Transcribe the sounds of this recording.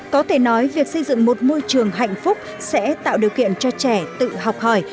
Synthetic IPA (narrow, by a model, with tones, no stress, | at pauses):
kɔ˨˦t̪ʰe˧˩nɔ˨˦jvi˨˩ək̚sə˧jzɨ̰˧˨ŋmo˨˩t̚mo˧jt͡ɕɨ˨˩əŋɦa̰˧˨jŋ̟fʊ˦˥k͡p̚ | sɛ̰˧˥t̪a̰ː˧˨wɗi˨˩əwkḭ˧˨ənt͡ɕɔ˧t͡ɕɛ˧˩t̪ɨ̰˧˨ɦa˨˩wk͡p̚həː˧˩j